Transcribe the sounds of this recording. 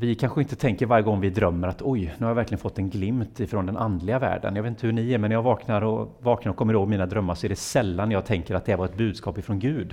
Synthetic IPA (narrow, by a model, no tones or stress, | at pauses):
vɪkʰanɧəɪnt̪ət̪ʰɛŋkəɾvaɾjəɡɔŋːvɪd̪ɾœmːəɾat̪ʰɔjnʉːhajavæɾklɪɡənfɔt̪ːɛnɡlɪmt̪ɪfɾɔnd̪ɛnʔand̪lɪɡavæ̰ːɖə̰njɑvet̪ɪt̪əhʉɳɪæɾmɛnːjɑvɑːknaɾɔvɑːknaɾɔkʰɔmːəɾɪhoːɡmiːnad̪ɾœmːaɾʂɔæɖɛsɛlːanːɛjɑːɡ̚t̪ʰɛŋkəɾat̪̚d̪ɛhaɾvaɾɛt̪̚bʉ̟ːd̪skɑːpɪfɾɔnɡʉ̟ːd̪